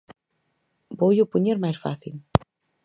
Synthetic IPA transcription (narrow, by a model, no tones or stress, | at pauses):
bojopuɲeɾmajsfa̰θil